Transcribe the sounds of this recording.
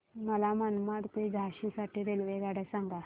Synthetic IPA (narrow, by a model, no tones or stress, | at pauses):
məlamənmaɽkoiɡʱaɕisaʈʰiɾelʋeɡaɽəsaŋɡa